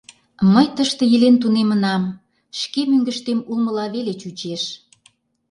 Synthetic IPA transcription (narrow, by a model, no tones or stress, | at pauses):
məjt̪əʃt̪ə̆jəlent̪unemənɑm | ʃkemyŋɡəʃt̪emulməlɑβelet͡ɕut͡ɕeʃ